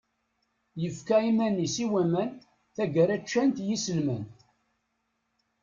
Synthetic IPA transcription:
jəfkæimænːisiwæmæn | θæɡəɾæt͡ʃːænt̪jisəlmæn

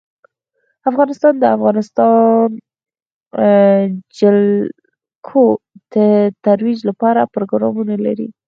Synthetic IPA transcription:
afɣɑnɪst̪ɑnd̪əafɣɑnɪst̪ɑn | d͡ʒəl | kʰod̪̥ət̪aɾwid͡ʒlapɑɾapɾoɡɾɑmunala̰ɾḭ

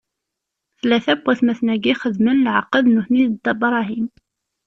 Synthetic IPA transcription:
θlːæθæbʷːæθmæθnæɡiχəðmənlʕa̰qːəðnuθniðd̪ɑbɾˤɑɦim

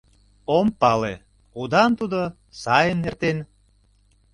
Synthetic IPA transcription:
ompɑle | ud̪ɑnt̪ud̪o | sɑjəmnert̪en

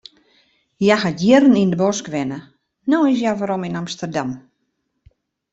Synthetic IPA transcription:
jaxadjɪrən̩indəbɔskʋɪnə | noɪs̬jaʋaɾominamstərdam

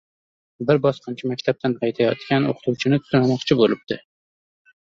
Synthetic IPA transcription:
bɪɾbɒsqʰɑnt͡ʃʰɪmakʲt̪ʰap̚t̪ʰanʰɑjt̪ʰajɒt̪kʲano̰qʰʊ̥t̪ʰuwt͡ʃʰɪnɪt̪ʰːʊnamɒqt͡ʃʰɪbolɪb̚d̪̥ɪ

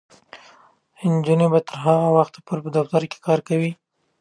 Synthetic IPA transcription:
ɪnd͡ʒunebat̪əɾɦaɣawaxt̪pəlpəd̪aft̪aɾke̥kɑɾkawi

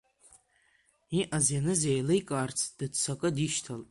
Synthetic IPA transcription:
iʔazjanɨzejlejkʼaːrt͡sʰd̥ɨdt͡sʰakʼɨdiʃtʰalʼ

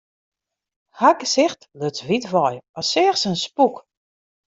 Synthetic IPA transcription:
haɡəsɪxtløtsʋitʋɔjɔsɪəxsənspuk

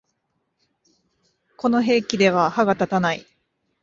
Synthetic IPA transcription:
ko̞no̞ɦe̞ːkʲid̪e̞β̞ahaɡat̪at̪anai

